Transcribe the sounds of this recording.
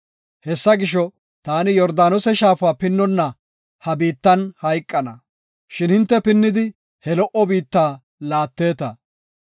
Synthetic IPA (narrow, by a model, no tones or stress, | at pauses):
hɛsːɐɡɪʃ̬ɔ | t̪aːnɪjɔɾd̪aːnɔsɛʃaːfaːpɪnːɔnːɐ | hɐbiːt̪ːɐnhɐjkʼːɐnɐ | ʃɪnhɪnt̪ːɛpɪnːɪd̪ɪ | hɛlɔʔɔbiːt̪ːaː | laːt̪ːe̞ːt̪ɐ